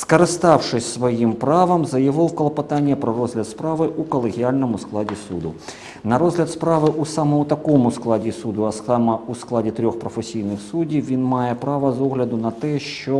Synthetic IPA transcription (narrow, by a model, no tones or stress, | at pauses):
skɐɾɪst̪ɑwʂɪsʲsʋɔjimpɾɑʋɐmzɐjɐʋɪwkɔlˠɐpɐt̪anʲːɐpɾɔɾɔzɦlʲɐt̪spɾaʋɪʔukɔlˠeɣʲialʲnɔmʊsklˠadʲisṵd̪ʊ | nɐɾɔzɦlʲɐt̪spɾaʋɪʔusamɔmʊt̪ɐkɔmʊsklˠadʲisud̪ʊɐsamɐusklˠadʲit̪ɾʲɔxpɾɔfesʲijnɪxsudʲiwʋʲinmɑjɛpɾɑʋɐzɔɣlʲɐd̪ʊnɐt̪ɛʃt͡ʃɔ